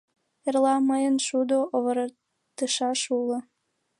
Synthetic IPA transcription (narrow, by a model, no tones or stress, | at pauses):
erlɑməjənʃud̪oʔoβəɾə | t̪əʃɑʃulə̆